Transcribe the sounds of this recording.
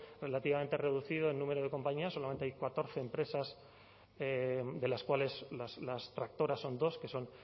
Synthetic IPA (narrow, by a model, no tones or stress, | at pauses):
re̞lat̪iβament̪ere̞ðuθið̞oenːume̞ɾoð̞e̞kõ̞mpaɲiaso̞lament̪eajkwat̪o̞ɾθe̞ːmpɾe̞sas | ed̪e̞laskwale̞slaslast̪ɾak̚t̪o̞ɾasːo̞nd̪o̞ske̞so̞n